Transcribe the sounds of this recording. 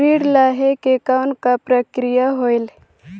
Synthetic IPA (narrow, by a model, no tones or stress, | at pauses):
ɾiːɽlaɦekekaʊnkapɾəkɾijaɦoɪl